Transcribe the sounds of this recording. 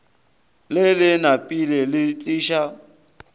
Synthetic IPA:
lɪlɪnapʼilɛlɪt͡ɬʼiːʃa

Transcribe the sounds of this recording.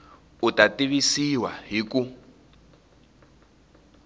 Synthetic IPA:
utʼatiβisiwa̰ɦiku

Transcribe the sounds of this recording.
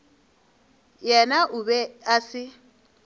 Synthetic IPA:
jɛnaʔʊbɛasɪ

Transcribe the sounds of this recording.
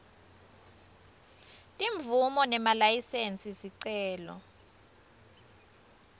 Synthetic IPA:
tʼiɱb̪vʱumɔnɛmalajisent͡sʼisiǀɛːlɔ̰

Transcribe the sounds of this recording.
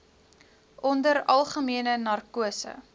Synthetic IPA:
ʔɔndəɾɐlˠχəmiənənɐrkuəsə̰

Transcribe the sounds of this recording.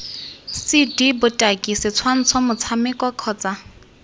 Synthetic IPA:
sidibʊtʼakʼisɪt͡sʰwan̩t͡sʰɔmʊt͡sʰamɪkʼwakʰɔːt͡sʼa

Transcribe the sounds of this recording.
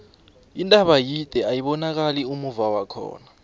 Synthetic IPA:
indʱʼaɓajid̥ʱʼɛajiɓɔnak̬aliumuvawakʰɔ̰ːna

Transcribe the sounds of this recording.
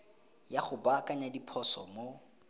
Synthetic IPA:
jaχʊbakʼaɲadipʰɔsɔmo

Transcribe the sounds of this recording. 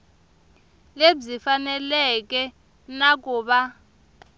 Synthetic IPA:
lezifanɛlɛk̬ʼɛ | nak̬ʼuːɓa

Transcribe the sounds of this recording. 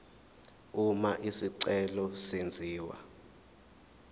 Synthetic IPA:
umaʔisiǀɛlɔsend͡zʱiːwa̰

